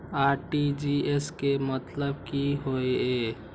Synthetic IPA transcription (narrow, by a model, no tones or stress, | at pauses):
aːɾʈid͡ʒieskemət̪ləbkiɦoeeː